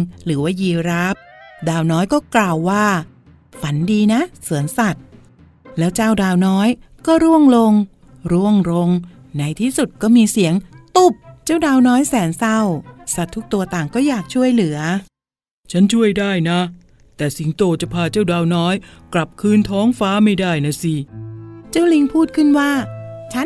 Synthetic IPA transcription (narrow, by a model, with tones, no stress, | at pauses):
ŋɾɯː˩˦waː˥˩jiː˧ɾaː˦˥p̚daː˧wnɔː˦˥jkɔː˥˩klaː˨˩wːaː˥˩ | fa˩˦ndiː˧na˦˥su˩˦ənsa˨˩t̪̚ | lɛː˦˥wt͡ɕaː˥˩wdaː˧wnɔː˦˥j | kɔː˥˩ɾu˥˩əŋlo˧ŋ | ɾu˥˩əŋɾo˧ŋ | na˧jt̪ʰiː˥˩su˨˩t̪̚kɔː˥˩miː˧si˩˦əŋt̪u˨˩p̚t͡ɕaː˥˩wdaː˧wnɔː˦˥jsɛː˩˦nsa˥˩wsa˨˩t̪ʰːu˦˥k̚t̪u˧ɐt̪aː˨˩ŋkɔː˥˩jaː˨˩k̚t͡ɕʰu˥˩əjlɯ˩˦ɐ | t͡ɕʰa˦˥nt͡ɕʰu˥˩əjdaː˥˩jna˦˥ | t̪ɛː˨˩si˩˦ŋt̪oː˧t͡ɕa˨˩pʰaː˧t͡ɕaː˥˩wdaː˧wnɔː˦˥jkla˨˩p̚kʰɯː˧nt̪ʰɔː˦˥ŋfaː˦˥ma˥˩jdaː˥˩jna˦˥˩si˧˩t͡ɕa˥˩wli˧ŋpʰuː˥˩t̪̚kʰɯ˥˩nwaː˥˩t͡ɕʰa˦˥